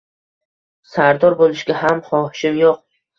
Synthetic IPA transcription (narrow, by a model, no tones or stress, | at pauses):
saɾd̪ɒɾbolˠɪʃɡʲaɦamhɒhʃɪmjoq̚